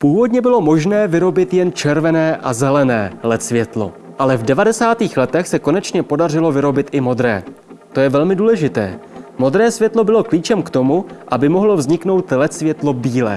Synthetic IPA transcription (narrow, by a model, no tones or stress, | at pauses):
puːvo̞dɲɛbɪlo̞mo̞ʒnɛːvɪɾo̞bɪt̪jɛnt͡ʃɛɾvɛnɛːʔazɛlɛnɛ̰ːlɛt̪svjɛt̪lo̞̰ | ʔalɛvdɛvadɛsaːt̪iːxlɛt̪ɛxsɛko̞nɛt͡ʃɲɛpo̞dar̝ɪlo̞vɪɾo̞bɪt̪ʔɪmo̞d̪ɾɛ̰ː | t̪o̞jɛvɛlmɪduːlɛʒɪt̪ɛ̰ːmo̞d̪ɾɛːsvjɛt̪lo̞bɪlo̞kliːt͡ʃɛmkt̪o̞muʔabɪmo̞ɦlo̞vzɲɪkno̞wt̪lɛt̪svjɛt̪lo̞biːlɛ̰ː